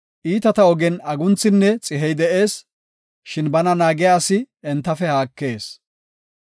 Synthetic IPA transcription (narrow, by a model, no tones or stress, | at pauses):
ʔiːt̪ɐt̪ɐɔɡɛnɐɡʊnt͡sːɪnːɛt͡sʼɪɦɛjd̪ɛʔe̞ːs | ʃɪnbɐnɐnaːɡɛjaːsɪ | ɛnt̪ːɐfɛhaːkːe̞ːs